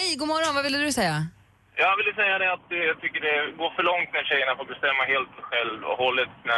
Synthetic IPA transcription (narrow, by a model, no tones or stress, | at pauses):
hɛjɡuːmɔɾɔnvavɪlːəd̪ɵsɛjːa | jɑːvɪlːəsɛjːad̪ɛat̪̚d̪ɛjat̪ʰʏkːəɖɛɡoːfœɭɔŋt̪næɾɕɛjːəɳafoːɾbɛst̪ɛmːaɦeːlt̪ɧɛlvɔ̰hɔlːət̪næ